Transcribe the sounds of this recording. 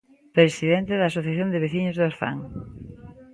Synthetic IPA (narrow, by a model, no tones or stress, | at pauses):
pɾesiðent̪eðas̬oθjaθjond̪eβeθiɲozðoɾθa̰ŋ